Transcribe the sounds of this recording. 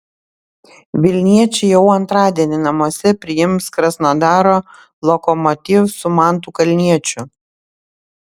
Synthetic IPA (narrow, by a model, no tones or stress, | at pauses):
ʋʲɪlʲnʲiɛt͡ʃʲɛjɛʊɐnt̪ɾɑːd̪ʲiɛnʲɪnɐmuɔsʲɛpʲɾʲɪjɪmskɾɐsnod̪ɑːɾoː | lˠɔkɔmɔt̪ʲɪfsʊmɑˑnt̪̬uːkɐlʲnʲiɛt͡ʃʲʊ